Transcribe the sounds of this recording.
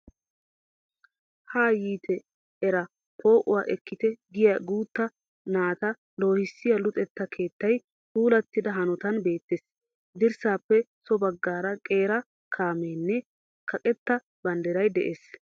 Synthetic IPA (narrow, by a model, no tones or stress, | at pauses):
haːjiːt̪ʰɛ | ɛɾɐ | pʰo̞ːʔʊwa̰ːʔɛkːɪt̪ɛɡɪjɐɡuːt̪ːɐ | naːt̪ɐ | lo̞ːhɪsːɪjɐlʊt̪ʼɛt̪ːɐkʰe̞ːt̪ːɐj | huːlɐt̪ːɪd̪ɐɦɐnɔt̪ɐnbe̞ːt̪ːeːs | d̪ɪɾsaːpːɛsɔbɐɡːaːɾɐkʼe̞ːɾɐ | kʰaːmeːnːɛ | kɐkʼɛt̪ːɐ | b̥ɐnd̪ɛɾɐjd̪ɛʔeːs